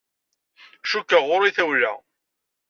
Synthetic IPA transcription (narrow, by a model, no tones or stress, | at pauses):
ʃukːəʁʊɾiθæwlæ̰